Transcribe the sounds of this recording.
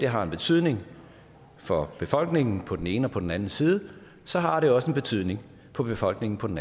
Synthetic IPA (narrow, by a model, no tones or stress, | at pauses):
d̥e̝ɦɑ̈e̝nb̥e̝t͡sʰy̰ð̞̰ˠne̝ŋ | fɒ̽b̥e̝fɒ̽l̰ɡ̥ne̝ŋn̩pʰɒ̽d̥ene̝ːnəɒpʰɒ̽d̥en̩ænn̩siːð̞ˠə | sɒ̽ɦɑ̈ɾ̥e̝ɒ̽səenb̥e̝t͡sʰyð̰ˠne̝ŋ | pʰɒ̽b̥e̝fɒ̽l̰ɡ̥ne̝ŋn̩pʰɒ̽den̩